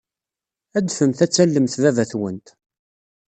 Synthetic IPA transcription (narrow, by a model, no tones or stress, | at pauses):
æd̪fəmθæt͡sːælːəmθðævæθwənt̪